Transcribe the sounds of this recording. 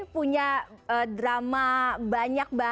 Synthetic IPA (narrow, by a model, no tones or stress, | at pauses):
puɲaədɾamabaɲak̚ba